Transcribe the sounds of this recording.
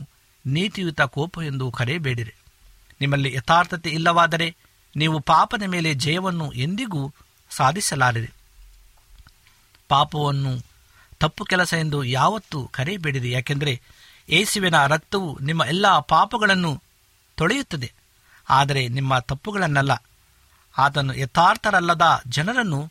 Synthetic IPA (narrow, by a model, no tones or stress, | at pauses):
niːt̪ijut̪ɐkɔːpɐe̞nd̪ukɐɾebeːɽiɾe | nimːɐlːiʔɛt̪ʰaːɾt̪ʰɐt̪eilːɐʋaːd̪ɐɾe̞ | niːʋupaːpɐd̪ɐme̞ːle̞d͡ʒɐjɐʋɐnːuʔe̞nd̪iɡuː | saːd̪ʱisɐlaːɡid̪e | paːpɐʋɐnːu | t̪ɐpːukɛlɐsɐjend̪ujaːʋɐt̪ːukɐɾebeːɽid̪ejaːkend̪ɐɾe̞ | eːsiʋenɐɾɐk̚t̪ɐʋunimːɐʔɛlːɐpaːpɐɡɐɭɐnːu | t̪oɭejut̪ːɐd̪e | aːd̪ɐɾe̞nimːɐt̪ɐpːuɡɐɭɐnːɛlːɐ | aːt̪ɐnːuʔɛt̪aːɾt̪ʰɐɾɐlːɐd̪ɐd͡ʒɐnɐɾɐnːu